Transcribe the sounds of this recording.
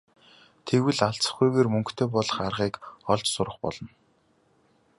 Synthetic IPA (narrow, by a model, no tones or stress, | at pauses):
t̪ʰeɣwɘ̆ɮaɬt͡sə̥̆χujɣeːrmɵŋkt̪ʰeːpɔɮə̆χarʁiːkɔɮt͡ɕsʊɾə̆χpɔ̰ɮɞ̆n